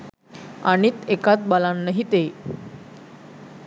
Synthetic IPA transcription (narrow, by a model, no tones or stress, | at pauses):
aɽ̃it̪ekat͡s̪̚balãnːəɦit̪e